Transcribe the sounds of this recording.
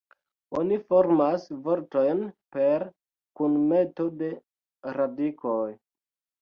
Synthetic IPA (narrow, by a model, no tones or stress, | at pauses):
onifo̞ɾmasvo̞ɾto̞jnpe̞ɾ | kunme̞to̞de̞ | ɾadikʰoj